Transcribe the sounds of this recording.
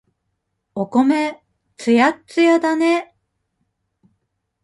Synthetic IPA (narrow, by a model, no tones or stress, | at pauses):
oko̞me | t͡sɨjatt͡sɨjad̪ane